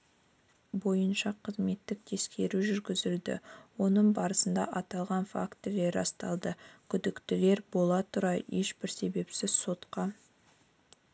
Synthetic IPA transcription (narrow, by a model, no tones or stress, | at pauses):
bo̞jənʃɑqʰəzme̞t̪ːɪk̚t̪ʰe̞skʲʰe̞ɾuʒʏɾɡʲɪzɪld̪ɪ̰wo̞nəɴbɑɾəsənd̪ɑ̰ʔɑt̪ɑlˠʁɑnfa̰kt̪ːɪle̞ɾɑ̰st̪ɑlˠd̪əkʲʰʏd̪ɪkt̪ɪle̞ɾbo̞lˠɑt̪ʰʊɾɑje̞ʃbɪɾse̞be̞psɪzso̞t̪qɑ